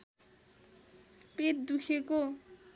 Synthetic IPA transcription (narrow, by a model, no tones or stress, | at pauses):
pet̪̚d̪ukʰeko